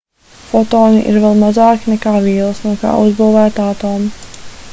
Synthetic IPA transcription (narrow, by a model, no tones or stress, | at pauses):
fɔt̪ɔːniʔḭɾvɛlˠmazɑːkinɛkaːviːlˠəsnuɔka̰ːʔuzbuːvæːt̪aːt̪oːm